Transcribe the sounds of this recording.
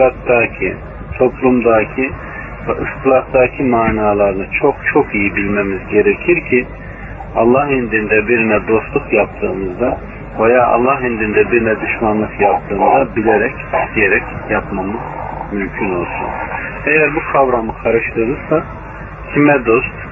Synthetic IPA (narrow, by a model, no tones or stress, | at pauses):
lˠat̪d̪aːcʰḭ | t̪ʰo̞plˠumd̪aːcʰi | vɛʔɯskʰlˠat̪d̪aːcʰimaːnaːlˠaɾɯnɯt͡ʃʰo̞kt͡ʃʰo̞kijibilʲmemizɟe̞ɾecʰiɾcʰi | ɑlˠːahind̪ind̪ɛbiɾinɛd̪o̞st̪lˠukjap̚t̪ʰɯːmɯzd̪a | vajaːʔɑ̰lˠːahind̪ind̪ɛbiɾinɛd̪uʃmanlˠɯkjap̚t̪ʰɯːmɯzabilʲeɾɛcd̪ijeɾɛcjapmamɯz̥mymcʰyno̞lˠsṵn | ejæɾbukʰavɾamɯkʰaɾɯʃlˠɯɾɯɾsa | cʰimɛd̪o̞st̪